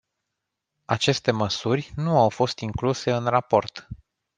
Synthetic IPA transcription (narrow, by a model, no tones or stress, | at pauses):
at͡ʃe̞st̪e̞məsurʲnuawfo̞st̪iŋkluse̞ɨnrapo̞rt̪